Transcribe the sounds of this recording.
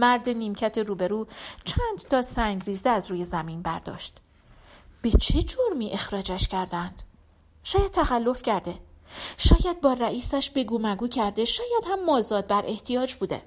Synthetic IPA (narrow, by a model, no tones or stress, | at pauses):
mæɾd̪e̞niːmcʰæt̪ʰeɾuːbe̞ɾuːt͡ʃʰænd̪̥t̪ʰɒːsæŋɟɾiːzd̪eæzɾuːje̞zæmiːnbæ̰ɾd̪ɒ̰ːʃt̪ | b̥e̞t͡ʃʰe̞d͡ʒoɾmiːʔe̞xɾɒːd͡ʒæʃcæɾd̪ænd̪̥ | ʃɒːjæd̪̚t̪ʰæxælːo̞fcʰæɾd̪e̞ʃɒːjæd̪̚bɒːræʔiːsæʃbe̞ɡuːmæɡuːcʰæɾd̪e̞ʃɒːjæd̪̥hæmːɒːzɒːd̪̚bæɾʔe̞ht̪ʰijɒːd͡ʒbuːd̪e̞̰